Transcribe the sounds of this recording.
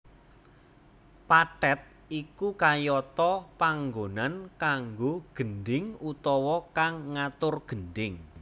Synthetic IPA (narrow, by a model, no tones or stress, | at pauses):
paʈɛt̪̚ | ikukajɔt̪ɔpaŋɡonankaŋɡoɡ̥ənɖɪŋut̪ɔwɔkaŋːat̪ʊrɡ̥ənɖɪŋ